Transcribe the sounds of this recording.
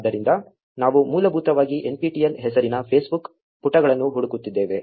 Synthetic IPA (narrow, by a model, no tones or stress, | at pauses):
d̪ːɐɾind̪ɐ | naːʋumuːlɐbʱuːt̪ɐʋaːɡiʔe̞npiːʈijelɦɛsɐɾinɐpʰeːsbuk | puʈːɐɡɐɭɐnːuɦuɽukut̪ːid̪ːeːʋe